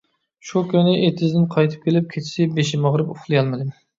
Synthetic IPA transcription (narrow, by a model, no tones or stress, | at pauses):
ʃukʲønɪʔet̪ʰɪzd̪ɪnqʰɑjt̪ʰɨ̥p̚kʲʰelɪp̚kʲʰet͡ʃʰi̥sɪbeʃɪmɑʁɾɨpuχlˠɨjɑlˠmɨd̪ɪ